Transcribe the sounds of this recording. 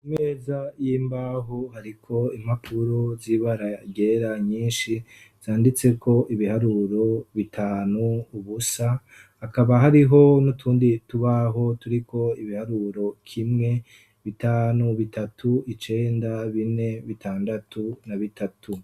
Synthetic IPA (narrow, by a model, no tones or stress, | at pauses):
imezajiːmbaɦuhaɾikʰo̞im̥hapʰuɾoziβaɾaɟe̞ɾaɲiːnʃi | z̥aːndit͡se̞kʰo̞ʔiβihaɾuɾo̞βitʰaːnuːβusa | hːkaβaɦaɾiɦo̞nutʰuːndituβaɦo̞tuɾiko̞iβihaɾuɾo̞kʰimŋe̞ | βitaːnuβitatʰuit͡ʃe̞ːndaβine̞βitʰaːndatʰunaβitatʰu